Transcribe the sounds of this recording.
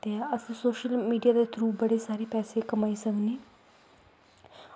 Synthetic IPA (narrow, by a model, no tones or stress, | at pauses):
eaːəsẽːsoːʃəlmiːɖijaːd̪eːt̪ʰɾuːbəɽeːsaːɾeːpɛːseːkəmaːiːsəkneː